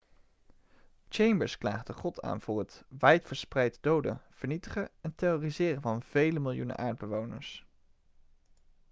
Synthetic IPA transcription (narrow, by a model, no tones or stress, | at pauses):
t͡ʃejmbəɹskla̰ːχdəχɔtʰa̰ːnv̥ʊːɹɦətʋɛjtfəɹsprɛjtdowdə̰v̥əɹnitəχəɛntejoːrizɪːrəvɑnv̥ejləmɪlˠjunə̰ʔa̰ːɹd̚bəʋownə̰ɹs